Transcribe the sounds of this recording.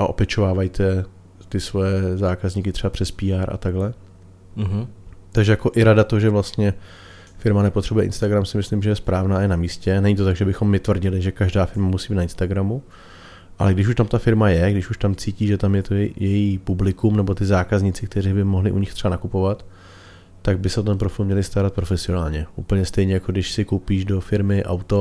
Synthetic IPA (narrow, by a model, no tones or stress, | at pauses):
ʔaʔo̞pjɛt͡ʃo̞vaːvajt̪ʰɛ | t̪ɪsvojɛzaːkazɲiːkɪt̪r̥ɛbapr̝̥ɛspiːaɾʔa̰t̪aɡlɛ | ɦt̪aɡʒɛjako̞ʔɪɾadat̪oʒɛvlast̪ɲɛ | fɪɾmanɛpot̪r̥ɛbujɛʔɪ̰nst̪aɡɾamsɪmɪslɪmʒɛjɛspɾaːvnaːjɛnamiːscɛnɛɲɪt̪o̞t̪aɡʒɛbɪxo̞mːɪt̪vr̩ɟɪlɪʒɛkaʒdaːfɪɾmamusiːbinaɪnst̪aɡɾamu | ʔa̰lɛɡdɪʃ̬uʃt̪amt̪afɪɾmajɛɡdɪʃuʃt̪amt͡siːciːʒɛt̪amjɛt̪ojɛjiːpublɪkumnɛbo̞t̪ɪzaːkazɲɪt͡sɪkt̪ɛɾiːbɪmoɦlɪʔuɲɪxt̪r̥ɛbanakupo̞vat̪ː | aɡ̚bɪsɛot̪̬ɛnpɾofɪlmɲɛlɪst̪aɾat̪̚pɾo̞fɛsɪo̞naːlɲɛʔuːpl̩ɲɛst̪ɛjɲɛjakoɡdɪʃsɪkowpiːʒdo̞fɪɾmɪʔa̰wt̪o̞